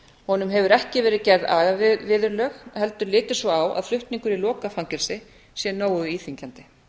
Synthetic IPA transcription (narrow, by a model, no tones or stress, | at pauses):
hɔnʏmɦɛvʏɾɛhcɪvɛːɾɪðcɛɾðaːðavɪðʏɾlœxhɛl̪t̪ʏɾlɪːt̪ɪsvɔawʔa̰ðflʏht̪niŋkʏɾilɔːkafaŋcɛɾ̥sɪ | sjɛnoːwʏiːθiɲcant̪ɪ